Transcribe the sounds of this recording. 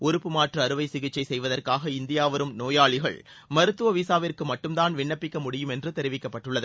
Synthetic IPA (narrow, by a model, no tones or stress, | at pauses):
ʊɾʊpːɯmaːʈrɐːɾɯʋɐɪsɪɣɪt͡ʃːɐɪsɛjʋɐðɐrkaːɣɐɪnd̪ɪjaːʋɐɾɯmnoːjaːɭɪɣɐ̰ɭ | mɐɾɯt̪ːɯʋɐʋiːsaːʋɪrkɯmɐʈːɯmt̪aːnʋɪɳːɐpːɪkːɐmʊɽɪjɯmɛndrɯt̪ɛɾɪʋɪkːɐpːɐʈːɯɭːɐðɯ